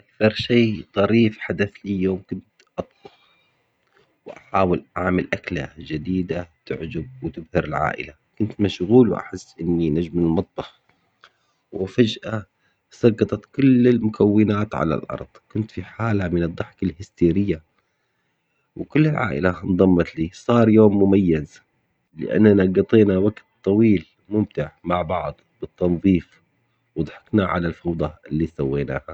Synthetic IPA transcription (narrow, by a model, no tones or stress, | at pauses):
ʔakθɑɾˤʃiːt̪ˤɑɾiːfħad̪aθlijoːmkʊnt̪ʔɑt̪ˤbʊx | wʔaħaːwɪlʔaʕmalʔakla̰d͡ʒɪd̪iːd̪at̪ɪʕd͡ʒab̚wɪt̪ɪbhɪɾɪlʕa̰ːʔɪ̰la | kʊnt̪maʃɣuːlwʔa̰ħɪsːʔɪnːinaʒmlmɑt̪̚ˤbɑħ | wɪfad͡ʒʔa | sˤɑɡɑt̪ˤɑt̪kʊlːɪlmʊkʰawːɪnaːt̪ʕa̰la̰lʔɑ̰ɾˤd̪̥ˤkʊnt̪fiħaːlamɪnɨd̪ˤːɑħkalhɪst̪iːɾɪjːa | wɪkʊlːɪlʕa̰ːʔɪ̰land̪ˤɑmːɑt̪liːsˤɑːɾˤjoːmːʊmajːaz | lɪ̰ʔa̰nːanɑɡɑt̪ˤeːnawaɡt̪t̪ˤːɑwiːl | mʊmt̪ɪʕmaʕbɑʕd̪ˤb̥ɨt̪ːɑnðˤiːf | wɨd̪ˤħɑ̥knaʕa̰lalfɑwd̪ˤɑɪlːiːsawːeːna̰ːha